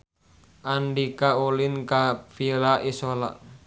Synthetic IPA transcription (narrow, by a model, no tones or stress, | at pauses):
anɖikaolinkafilaʔisɔla̰ʔ